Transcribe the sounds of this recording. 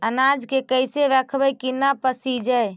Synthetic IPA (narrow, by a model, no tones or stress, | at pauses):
ənad͡ʒkekəɪseʋɛkʰbəjkinapəsid͡ʒəj